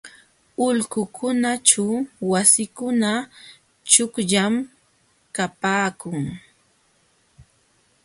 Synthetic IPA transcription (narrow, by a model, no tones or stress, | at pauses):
ʊʎkʊkʰʊnat͡ʃawwasɪkʊna | t͡ʃʊkʎam | kapaːkʊŋ